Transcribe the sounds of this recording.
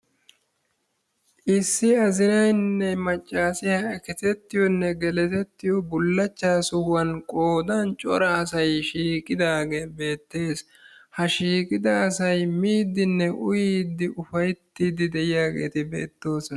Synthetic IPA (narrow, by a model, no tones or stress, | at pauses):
ʔɪsːɪɐzɪnɐjnːɛmɐt͡ʃʼːaːsɪhɐɛkɛt̪ɛt̪ːɪjɔnːɛɡɛlɛt̪ɛt̪ːɪjɔbʊlːɐt͡ʃːaːsʊhwɐnkʼo̞ːd̪ɐnt͡ʃʼɔ̰ɾɐːsɐjʃiːkʼɪd̪aːɡe̞ːbe̞ːt̪ːe̞ːs | hɐʃiːkʼɪd̪ɐːsɐjmiːd̪ːɪnːɛʔʊ̰jiːd̪ɪʔʊfɐjt̪ːɪd̪ɪd̪ɛjɪjaːɡḛːt̪ɪbe̞̰ːt̪ːo̞ːsɔn